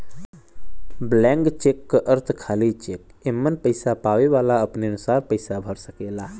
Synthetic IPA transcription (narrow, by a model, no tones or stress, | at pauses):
blɛ̃ːŋɡt͡ʃekːəʔəɾt̪ʰkʰaːlit͡ʃeːk | emːənpəɪsapaːʋeʋaːlaəpneənʊsaːɾpəɪsabʱəɾsəkeːlaː